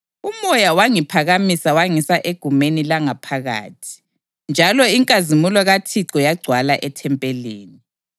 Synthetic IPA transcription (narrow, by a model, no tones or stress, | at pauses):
umɔjawaŋipʰaɣamisawaŋisaʔeɡ̥ʱumenilaŋapʰaɣa̰ːtʰi̥ | nd͡ʒʱalɔiŋkʼazimulɔɣatʰiǀɔjaɡ͡ǀʱwalaʔɛtʰɛmpʼɛlḛːni